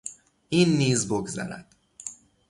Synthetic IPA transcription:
ʔiːnːiːzboɡzæ̰ɾæ̰d̪̥

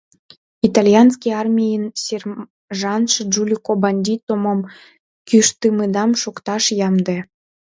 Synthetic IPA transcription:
it̪ɑlʲjɑnskʲiɑrmʲijənser | ʒɑnʃd͡ʒulʲikobɑnʲd̪ʲit̪omom | kʲyʃt̪ɨmed̪ɑmʃukt̪ɑʃjɑmd̪e

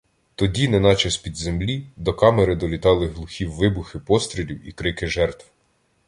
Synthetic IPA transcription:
t̪ɔdʲinɛnɑt͡ʃɐsʲpʲid̪zemlʲid̪ɔkɑmeɾɪd̪ɔlʲit̪ɑlˠɪɦlˠʊxʲiwːɪbʊxɪpɔst̪ɾʲilʲiwikɾɪkɪʒɛrt̪w

